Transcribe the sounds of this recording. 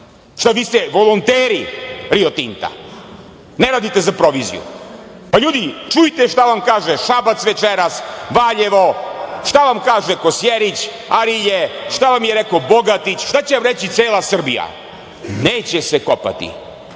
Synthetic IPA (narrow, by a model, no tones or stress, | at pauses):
ʃt̪aʋiːst̪ɛʋo̞lˠont̪eːɾiɾiot̪int̪a̰ | neɾaːd̪it̪e̞zapɾo̞ʋizḭṵ | paʎuːd̪it͡ʃujit̪eʃt̪aʋamkaːʒeʃabat̪sʋet͡ʃeɾasʋaːʎeʋo̞ʃt̪aʋamkaːʒekosjeɾit͡ɕ | aɾiʎeʃt̪aʋamjeɾekoboɡat̪it͡ɕʃt̪at͡ɕeʋamɾet͡ɕit̪seːlasr̩bḭja̰ | neːt͡ɕesekopa̰t̪ḭ